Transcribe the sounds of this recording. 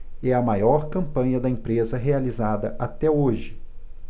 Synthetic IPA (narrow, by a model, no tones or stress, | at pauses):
ɛɐmajɔɾkɐ̃mpɐ̃ɲɐd̪ɐẽpɾezɐɦealizad̪ɐʔat̪ɛoʒɪ